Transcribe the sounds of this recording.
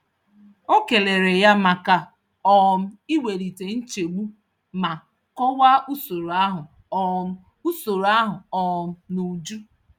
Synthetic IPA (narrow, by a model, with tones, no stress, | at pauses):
o˦ke˨le˨ɾe˨ja˦ma˨ka˨ | ɔ˦˨m̩˦i˦we˨ɾi˨te˨n̩˦t͡ʃe˨ɡ͡bu˦ | ma˨ | kɔ˦wa˦u˦so˨ɾo˨a˦ɦʊ˨˦ | u˦so˨ɾa˦ɦʊ˨ɔ˦˨m̩˦nu˨d͡ʒu˦